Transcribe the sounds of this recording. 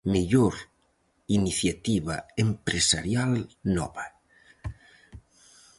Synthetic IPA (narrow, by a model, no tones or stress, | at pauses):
meʎoɾ | iniθjat̪iβaempɾesaɾjalnɔβa